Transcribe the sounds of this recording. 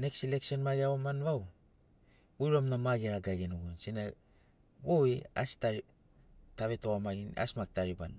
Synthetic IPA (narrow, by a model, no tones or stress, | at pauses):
ne̞ksileksio̞nmajaomanβaw | ujɾamnamaɡeɾaɡaɡenuɡunsina | ɡoia̰staɾi | taβe̞toamaɡina̰smak̚taɾiba̰n